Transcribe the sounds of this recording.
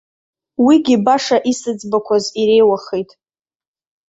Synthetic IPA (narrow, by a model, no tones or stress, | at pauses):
wiɡʲibaʂaʔisɨd͡zbakʷʰaziɾe̞jwaχejtʼ